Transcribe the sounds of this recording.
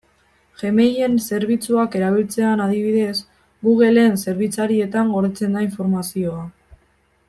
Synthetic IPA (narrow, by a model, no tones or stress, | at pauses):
ʝe̞me̞je̞nse̞ɾβ̞it͡suake̞ɾaβ̞ilt͡se̞anaðiβ̞iðe̞s | ɡuɣe̞le̞nse̞ɾβ̞it͡saɾie̞t̪aŋɡo̞ɾðet͡se̞nd̪aiɱfo̞ɾmasio̞a